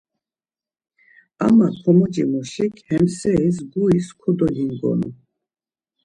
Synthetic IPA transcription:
a̰matʰɔmɔd͡ʒimɔʃikʰhɛmsɛis̬ɡuiskʰɔd̪ɔlinɡɔ̰nu

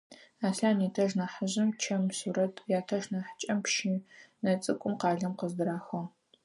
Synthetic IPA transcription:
aːɬaːniːtʰɐʒnaːħəʑɪmt͡ʃʰɐmsurɐtʰjaːtʰɐʒnaːħt͡ʃʼɐmpʃinɐt͡sʼɨkʷʼʊmqɑːɮɐmqəzdɨɾaːxɐ

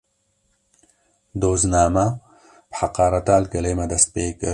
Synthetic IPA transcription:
d̪oːznɑːma | pħaqɑːɾɐt̪aːlɡɐlemad̪ɐst̪̚peːkə

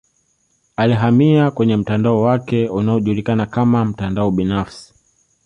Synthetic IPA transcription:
aliɦamiakwɛɲɛm̩tandaɔwakɛunaɔʄulikanakamam̩tandaɔɓinafsi̥

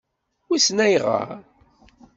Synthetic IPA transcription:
isnæjʁa̰ɾ

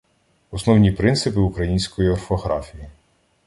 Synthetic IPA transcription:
ɔsnɔwnʲipɾɪnsɪpɪukɾɐjinʲsʲkɔjiɔrfɔɦɾɑfʲiji

